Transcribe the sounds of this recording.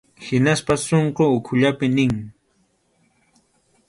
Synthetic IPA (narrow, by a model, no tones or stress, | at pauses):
hɪnaspasoɴqoʊkʰʊʎapɪnɪŋ